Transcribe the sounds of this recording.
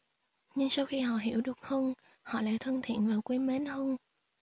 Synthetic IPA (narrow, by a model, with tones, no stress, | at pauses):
ɲɨ˧ŋsa˧wxi˧ɦɔ̰˧˨ɦi˧˩əwɗɨ˨˩ək̚həː˧n | hɔ̰˧˨la̰ː˧˥jt̪ʰə˧nt̪ʰḭ˧˨ənvaː˨˩wkwi˧me˨˦nhəː˧n